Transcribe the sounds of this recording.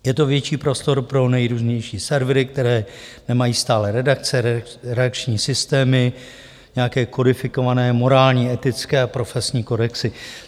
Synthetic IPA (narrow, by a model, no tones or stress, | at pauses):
jɛt̪o̞vjɛt͡ʃiːpɾo̞st̪o̞ɾpɾo̞nɛjɾuːzɲɛjʃiːsɛɾvɾɪk̚t̪ɛɾɛːnɛmajiːst̪aːlɛɾɛdak̚t͡sɛɾɾɛak̚t͡ʃɲiːsɪst̪ɛːmɪ | ɲɛjakɛːko̞dɪfɪko̞vanɛːmo̞ɾaːlɲiːɛt̪ɪt͡skɛːapɾo̞fɛsɲiːko̞dɛksɪ